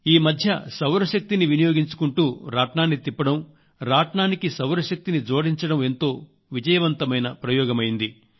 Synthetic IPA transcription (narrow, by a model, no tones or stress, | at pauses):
iːmɐd̪ʱjɐ̰sɐwɾɐʃɐk̚t̪iniʋinijoːɡiɲt͡ʃu̥kuɳʈuːɾaːʈɳaːnːit̪ipːɐɽɐm | ɾaːʈɳaːnikisɐwɾɐʃɐk̚t̪inid͡ʒo̞ːɽiɲt͡ʃɐɽɐme̞nt̪o̞ː | ʋid͡ʒɐjɐʋɐnt̪ɐmɐjnɐpɾɐjɔːɡɐmɐjind̪i